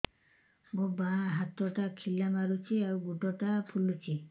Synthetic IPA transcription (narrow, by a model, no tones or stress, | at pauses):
mobaɦat̪ɔʈakʰilːamaɾut͡ʃʰiauɡuʈɔʈapʰulːut͡ʃʰi